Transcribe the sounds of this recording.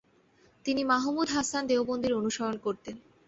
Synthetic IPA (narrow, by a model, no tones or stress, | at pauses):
t̪inimaɦmud̪ʱɦasand̪eobond̪ʱiɾonuʃojonkoɾt̪en